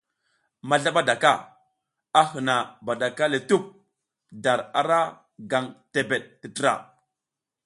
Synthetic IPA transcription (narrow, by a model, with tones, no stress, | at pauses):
ma˨ɮa˦ɓa˦da˨ka˦˨ | a˦ɦə˨na˨ba˨ɗa˨ka˦le˨tu˦p̚ | da˨ɾa̰˨ɾa˦ | ɡa˨ŋte˨be˨ɗ̚tə˨tə˦ɾa̰˨